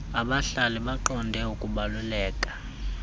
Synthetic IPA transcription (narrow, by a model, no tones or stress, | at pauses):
aɓaɬalɛɓaǃɔndʱɛukʼuɓalulɛːkʼḁ